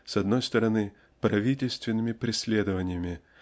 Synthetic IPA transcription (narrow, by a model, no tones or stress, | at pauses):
sɐd̪no̞jst̪əɾɐnɨ | pɾɐvʲitʲɪlʲst̪vʲɪnːɨmʲɪpɾʲɪsʲlʲed̪əvənʲɪjəmʲɪ